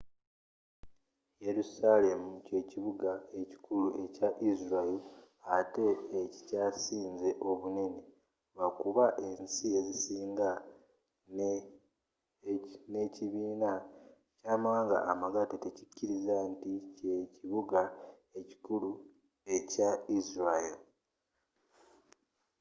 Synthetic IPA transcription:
je̞ɾusale̞muce̞ciβuɡae̞ci̥kuluʔe̞caʔizɾail | ate̞ːcicaːsiːnze̞ʔo̞βune̞ne̞ | βakuβaʔe̞nsie̞zisiːŋɡa | n | neciβiːna | caːmaːŋɡa̰ʔamaɡatetecicːiɾizantice̞ciβuɡa | e̞ci̥kulu | e̞caizɾail

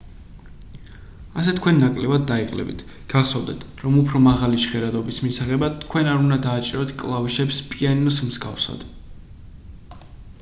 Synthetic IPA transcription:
asɛt̪ʰkʰwɛnːakʼlɛvad̪ːaiqʼlɛ̰bḭt̪ʰ | ɡ̥aχsɔvd̪ɛ̰t̪ʰɾɔmupʰɾɔmaʁaliʃχɛɾad̪ɔbismisaʁɛbat̪ʰkʰwɛnaɾund̪ad̪aːt͡ʃʼiɾɔt̪ʰkʼlˠavʃɛpspʼianɔsmzɡa̰fsa̰d̪̥

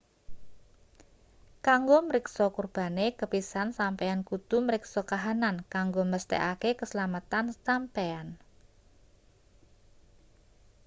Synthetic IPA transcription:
kaŋɡoməɾɪksɔkurb̥a̤nekəpisansampɛankut̪uməɾɪksɔkaɦanankaŋɡoməst̪ɛ̰ʔakekəsəlamat̪ansampean

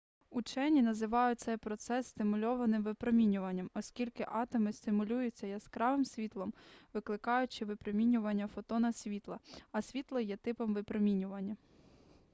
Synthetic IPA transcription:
ut͡ʃɛnʲinɐzɪʋɑjʊt̚ʲt̪sɛjpɾɔt̪sɛsːʲt̪ɪmʊlʲɔʋɐnɪmʋɪpɾɔmʲinʲʊʋɐnʲːɐmɔsʲkʲilʲkɪʔɑt̪ɔmɪst̪ɪmʊlʲujʊt͡sʲːɐjɐskɾɑʋɪmsʲʋʲit̪lˠɔmʋɪklˠɪkɑjʊt͡ʃɪʋɪpɾɔmʲinʲʊʋɐnʲːɐfɔt̪ɔnɐsʲʋʲit̪lˠɐɐsʲʋʲit̪lˠɐjɛt̪ɪpɔmʋɪpɾɔmʲinʲʊʋɐnʲːɐ

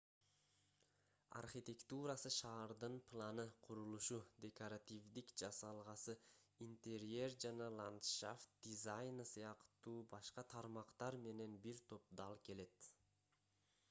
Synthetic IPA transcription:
a̰rχit̪ʲe̞kt̪uɾasɯʃɑːɾd̪ɯnpʰlˠanɯqʰuɾulˠuʃud̪ʲe̞koɾat̪ʲivd̪ikd͡ʒɑsɑlˠʁɑsɯint̪ʲeɾerd͡ʒɑnɑlˠant̪ʃa̰ft̪̚d̪̥ʲizajnɯsɯjɑqt̪uːbɑʃqɑt̪ʰɑɾmɑqt̪ɑɾme̞ne̞nbiɾt̪ʰo̞p̚d̪ɑlˠke̞le̞t̪

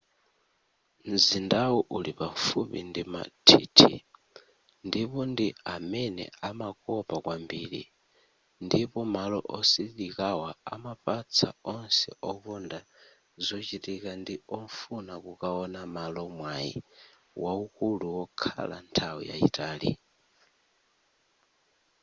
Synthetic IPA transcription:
mzindawuʔulipafupḭndima̰tʰiːtʰḭ | ndipɔndiamɛnɛ̰amakɔpakwambiɾḭ | ndipɔmalɔʔɔsiɗikawaa̰mapat͡sʰaɔnsɛʔɔkɔnda | zɔt͡ʃitikandiɔɱfunakukaɔnamalɔmwaḭ | waukuluwɔkʰa̰la̰ntʰawḭja̰ḭtʰʼaːlḭ

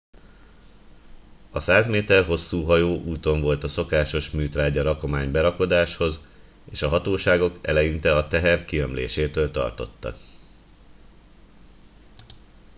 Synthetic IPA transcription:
ɒsaːzmeːt̪ɛrɦo̞sːuːɦɒjoːʔuːt̪o̞ɱvo̞lt̪ɒso̞kaːʃo̞ʃmyːt̪raːɟɒɾɒko̞maːɲbɛɾɒko̞d̪aːʃho̞z | eːʃɒɦɒt̪oːʃaːɡo̞kɛ̰lɛjint̪ɛɒt̪ɛɦɛrkiømlḛːʃeːt̪øːlt̪ɒ̰rt̪o̞̰t̪ːɒ̰k

